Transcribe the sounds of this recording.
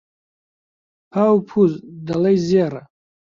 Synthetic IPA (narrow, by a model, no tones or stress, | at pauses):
pʰawpʰuzdalajzijaɾa